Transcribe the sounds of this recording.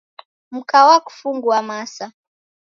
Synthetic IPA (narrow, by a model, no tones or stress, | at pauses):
m̩kawaku̥fuŋɡuamasa